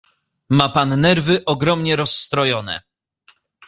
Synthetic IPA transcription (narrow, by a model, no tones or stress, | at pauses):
mapanːɛɾvɘʔɔɡɾɔmɲɛɾɔsːt̪ɾɔjɔnɛ̰